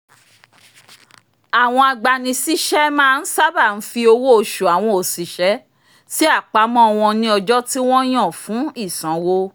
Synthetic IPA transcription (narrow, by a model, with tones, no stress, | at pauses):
a˨w̃ɔ̃˧a˧ɡ͡ba˧nĩ˧si˦ʃɛ˦mãː˦˧n̩˦sa˦ba˦˨n̩˨˦fi˧o˧wo˦o˧ʃu˨a˨w̃ɔ̃˧o˨si˨ʃɛ˨˦ | ti˦a˦˨k͡pa˨˦mɔ̃˦ɔ˧w̃ɔ̃˧nĩ˧ɔ˧d͡ʒɔ˦ti˦w̃ɔ̃˦j̃ɔ̃˦˨fũ˨˦i˦˨sã˨˦wo˦